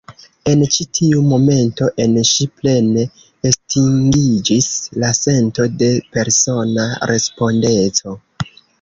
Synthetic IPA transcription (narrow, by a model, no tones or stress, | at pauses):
e̞nt͡ʃitʰiumo̞me̞nto̞ʔe̞nʃiple̞ne̞ː | stiŋɡid͡ʒislase̞nto̞de̞pe̞ɾso̞naɾe̞spo̞nde̞t͡so̞